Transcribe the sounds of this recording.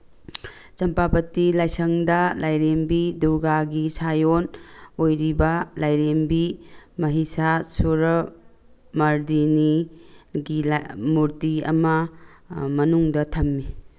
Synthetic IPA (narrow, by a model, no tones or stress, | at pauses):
t͡ʃɐmpapɐtilajsɐŋdɐlajɾembiduɡaɡisajonojɾibɐlajɾembimɐɦisasuɾɐ | mɐɾdiniɡilmuɾtiɐ̰mɐ | mɐnuŋdɐtʰɐmːi